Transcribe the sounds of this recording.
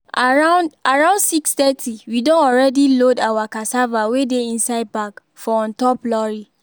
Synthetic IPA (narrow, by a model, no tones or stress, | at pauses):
aɹãndaɹãʊ̃ndsikstɛtʰiwidɔ̃nɔɹɛdilodawakasavawedeĩnsaɪd̚pak | fɔɔ̃ntɔplɔɹi